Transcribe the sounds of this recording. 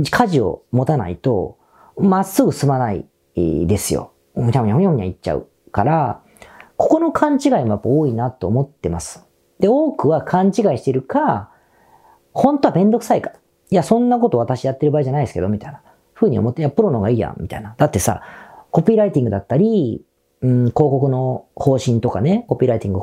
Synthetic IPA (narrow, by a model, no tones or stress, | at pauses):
kʰaʑio̞̰mo̞t̪ana̰ḭt̪o̞̰ | masːɨɡɯ̟sɨmanaḭ | d̪e̞sɨjo̞̰ | taɯ̃ɦõjoɯ̟ɲ̟a̰itt͡ɕːa̰ɯ̰ | kaɾa | ko̞ko̞no̞kʰãɲ̟t͡ɕiɡaimo̞japːaoːinat̪o̞ːmo̞t̪ːe̞masɨ̥ | d̪̥e̞o̞ːkɯ̟βakʰãɲt͡ɕiɡaiɕi̥t̪eɾɯ̟ka | hõ̞nt̪oabẽ̞nd̪o̞kɯ̟saikḁ | jasõ̞nːako̞t̪o̞βat̪aɕijat̪ːe̞ɾɯ̟baiʑanaid̪eske̞d̪o̞mʲit̪aina | ɸɯ̟ːɲ̟io̞̰mo̞t̪ːejapɯ̟ɾonoɡaiːjã̰mʲit̪a̰inad̪̥at̪ːe̞sa̰ko̞pʲiːɾait̪ʲĩŋɡɯ̟d̪at̪ːaɾʲi | ɯko̞ːko̞kɯ̟no̞ho̞ːɕĩnt̪o̞kane̞ko̞pʲiːɾait̪ʲĩŋɡɯ̟